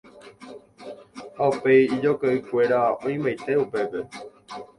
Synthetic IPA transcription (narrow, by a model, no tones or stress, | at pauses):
haupe̞jid͡ʒo̞kaʔɨkʷe̞ɾaõĩmbajt̪e̞upe̞pe̞